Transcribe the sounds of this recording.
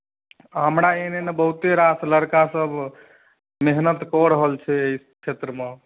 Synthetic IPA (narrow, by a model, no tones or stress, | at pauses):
ɦəmɾaenenebəɦut̪eɾasləɾkasəbʱ | meɦnət̪kɔɾəɦəlt͡ʃʰɛeiskʰet̪ɾəme